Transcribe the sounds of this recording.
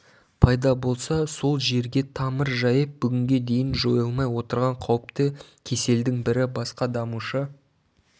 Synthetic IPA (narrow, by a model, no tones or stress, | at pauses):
pʰɑjd̪ɑbo̞lˠsɑso̞lˠʒe̞ɾɡʲe̞t̪ʰɑməɾʒɑjəp̚bʏɡʲɪŋɡʲe̞d̪e̞jɪnʒo̞jɑlˠmɑjwo̞t̪əɾʁɑɴqʰɑwəpt̪əkʲʰe̞se̞ld̪ɪŋbɪɾɪbɑsqɑd̪ɑmuʃə